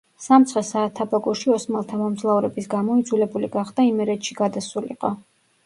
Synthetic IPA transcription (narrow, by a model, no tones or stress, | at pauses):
samt̪sʰχɛsaːt̪ʰːabaɡɔʃiɔsmalˠt̪ʰamɔmzlˠauɾɛbisɡamɔid̪zulɛbuliɡaχd̪aimɛɾɛt̪ʃiɡad̪asulḭqʼɔ